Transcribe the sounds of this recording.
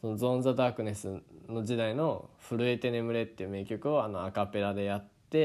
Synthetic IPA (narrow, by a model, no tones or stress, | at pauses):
so̞no̞zõ̞nd͡zad̪aːkɯ̟ne̞sɨno̞ʑid̪aino̞ɸɯ̟ɾɯ̟e̞t̪e̞ne̞mɯ̟ɾe̞t̪ːeɯ̟me̞kʲo̞kɯ̟oano̞akape̞ɾad̪e̞jat̪ːe̞